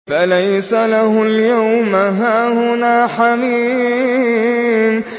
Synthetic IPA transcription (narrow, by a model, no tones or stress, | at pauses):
falajsalahʊljawmaɦaːhʊnaːħamiː | m